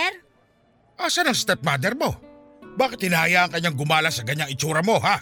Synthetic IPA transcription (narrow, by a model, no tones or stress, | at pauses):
ʔaːsanɐŋst̪ɛp̚mad̪ɛɾmo̞ | baːkɪt̪hɪnahajaʔɐŋkɐɲːaŋɡʊmaːlasɐkɐɲaŋɪt͡ʃuːɾɐmo̞ɦa